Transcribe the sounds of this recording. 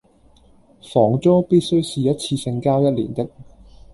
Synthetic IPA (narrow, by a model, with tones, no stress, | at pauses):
fɔː˨˩ŋt͡soː˥piː˥t̚sɵ˥ɥsiː˨˧jɐ˥t̚t͡sʰiː˧sɪ˧ŋkaː˥wjɐ˥t̚lḭː˨˩nt̪ɪ˥k̚